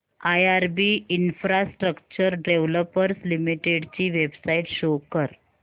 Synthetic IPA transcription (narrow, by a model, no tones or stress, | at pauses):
ajaɾbiinfɾasʈɾəkt͡ɕəɾɖeʋləpəɾslimiʈeɽt͡ɕiːʋebsaiʈɕokəɾ